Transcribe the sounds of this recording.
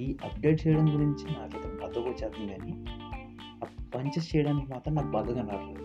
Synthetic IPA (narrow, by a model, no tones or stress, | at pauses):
iːʔɐpɖeʈ̚t͡ʃɛjɐɽɐŋɡuɾiɲt͡ʃinaːket̪ɐnɐbɐd̪ɐɡot͡ʃːaːt̪unɡaːni | ɐpɐɲt͡ʃɐst͡ʃɛjɐɽaːnikimaːt̪ɾɐmnaːkbɐd̪ɐɡɐnːaːɾle